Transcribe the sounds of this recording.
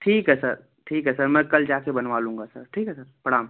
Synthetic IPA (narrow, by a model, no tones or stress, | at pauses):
ʈʰiːkɦɛsəɾ | ʈʰiːkɦɛsəɾmɛ̃kəld͡ʒakebənʋalũŋ̆ɡasəɾʈʰiːkɦɛsəɾpəɽaːm